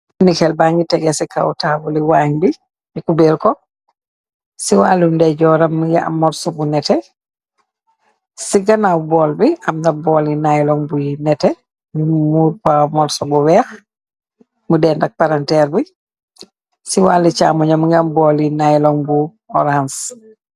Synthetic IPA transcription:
nikɛlbaŋɡitɛɡɛsika̰wtaːbuliwaɲbi | mikubɛɾkɔ | siwaːlundɛɟɔɾamːuɡɛa̰mɔɾsɔbunɛtɛ | siɡanawbɔlbiamnabɔːlinajlɔŋbujinɛtɛ | mimmuːɾkamɔlsɔbuwɛːx | mudɛndak̚paɾantɛːɾbi | siwalit͡ʃa̰ːmɔɲamuŋɡambɔlinajlɔŋbu | ɔɾans

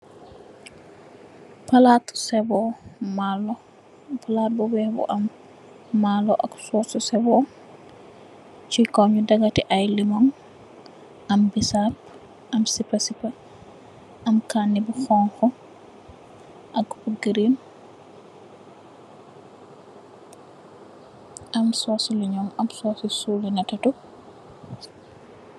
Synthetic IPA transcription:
palatsɛbɔmalɔ | palat̚bɔwɛbɔ̰ʔamː | alɔʔa̰ksɔsɔsɛbɔ | t͡ʃikɔɲudaɡatiʔajlimɔŋ | ʔambisap̚ | ʔɐmsipɐsipɐ | ʔɐmkaːnːibuxɔŋxɔ | ʔɐkuɡɾin | ʔɐmsɔːsiliɲɔmɐmsɔːsisulinɐtɐtu

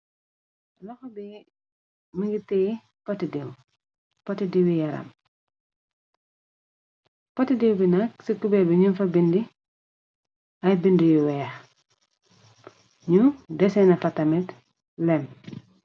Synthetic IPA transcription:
lɔxbi | miŋɡitɛj | pɐtːidiw | pɐtidiwijɐɾɐ̰m | pɐtidiwbinɐksikubɛbiɲunfɐbindi | ɐjbindijuwɛːx | ɲudɛsɛnɐfɐtːɐmɛt | lɛm

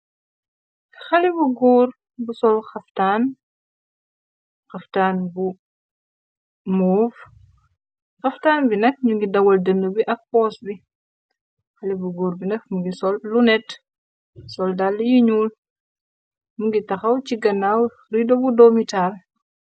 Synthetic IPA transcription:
xɐlibuɡuːɾ | busɔlxɐftaːn | xɐftaːnbu | mɔːf | xɐftaːnbinɐk̚ɲuŋɡidɐwɐldənːəbiʔɐk̚pɔːsbi | xɐlibuɡuːɾbinɐk̚muŋɡisɔlːunɛt | sɔldalːijiɲuːl | muŋɡitɐxɐwciɡɐnaw | ɾidobudɔmital

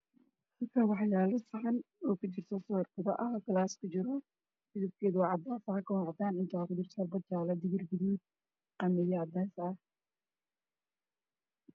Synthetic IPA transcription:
hɐlkʰɐwɑħjaːlɔsɪʕɑnɔːkʰʊt͡ʃɪrt̪ʰɔsɔːrkʊðɐʔɐɦkʰlaːskʰʊt͡ʃɪɾɔ | mɪðɪb̚kʰɛːðʊwɑʕɑd̪aːfɐhakʰɐwɑʕd̪aːnɪnt̪ʰakʊd̪ɪrt̪ʰɔlbɐd̪jaːlɐd̪ɪɣɪrbɪðiː | qɑmɪjaːd̪aːsɐ

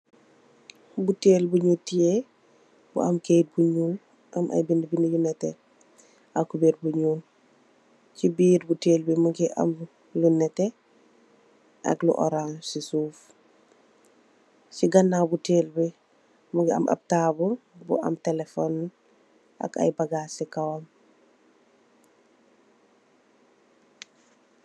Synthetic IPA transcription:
buteːlbuɲutije | bṵʔɐmkeːt̚buɲuːn | ʔɐmʔa̰jbindibinijunɛtɛ̰ | ʔakːubiːɾ̚buɲuːn | t͡ʃibiːdbuteːlbimuɡiʔɐ̰m | lunɛtɛ | ʔɐ̰klṵʔɔ̰ɾansisuːf | ciɡɐnːabuteːlbi | muŋɡiɐ̰mʔa̰b̚taːbubṵʔɐ̰mtelefɔn | ʔa̰ka̰jbaɡaːsikawam

